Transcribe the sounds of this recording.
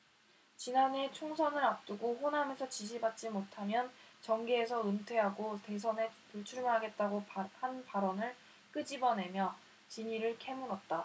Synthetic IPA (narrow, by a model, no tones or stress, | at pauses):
t͡ɕinane̞t͡ɕʰoŋsʰʌnɯɾap̚t͈uɡoɸonɦamjensʰʌt͡ɕiɕ̬ʰibat̚t͡ɕ͈imotʰamjʌnt͡ɕʌŋɡeːsʰʌɯntʰwe̞ɦaɡote̞sʰʌne̞puɭt͡ɕʰuɭmoɦaɡe̞t̚t͈aɡohanpaɾʌnɯɭ | k͈ɯd͡ʑibʌne̞mjʌ | t͡ɕiɲiɾɯɭkʰe̞muɾʌt̚t͈a